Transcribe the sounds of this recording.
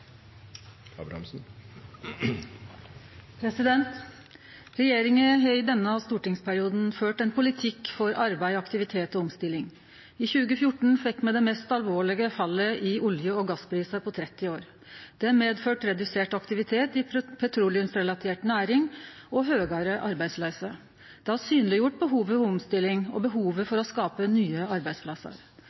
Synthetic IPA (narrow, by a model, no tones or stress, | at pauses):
ɑ̰ːbɾɑ̰ɑ̰msn̩ | pʰɾɛsɪd̪ɛnt̪ | ɾɛjeːɾɪŋəɦɑɪd̪ɛnːəɑst̪uːʈɪŋspʰæɾɪuːd̪n̩føːʈɛnpʰʊlɪt̪ʰɪkːfɔɾɑɾbæɪɑkt̪ɪʋɪt̪ʰeːt̪ɔɔmst̪ɪlɪŋ | ɪçʉːɡəfjʊʈːɳ̩fɛkːmɛd̪ɛmeːst̪ɑlʋoːɭɪɡəfɑlːəʔɪʊljəɔɡɑspʰɾiːsəpʰɔt̪ʰɾɛt̪ːɪoːɾ | d̪̥ɛæmeːd̪føːʈɾɛd̪ʉseːʈɑkt̪ɪʋɪt̪ʰeːt̪ɪpʰɛt̪ʰɾulɪʉmsɾɛlɑt̪ʰeːʈnæːɾɪŋɔɦøːɡɑɾəʔɑɾbæɪd̪slœːsə | d̪̥ɛhɑɾsyːnəlɪjʊʈ̚bəɦuːʋəfɔɔmst̪ɪlːɪŋɔ̰bəɦuːʋəfɔɾɔskɑːpənyːəɑɾbæɪspʰlɑsə̰ɾ